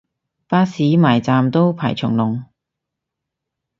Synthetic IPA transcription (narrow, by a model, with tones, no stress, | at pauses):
paː˥siː˨˥maː˨˩jt͡saː˨mt̪o˥wpʰa̰ː˨˩jt͡ʃʰʊ˨˩ŋlʊ˨˩ŋ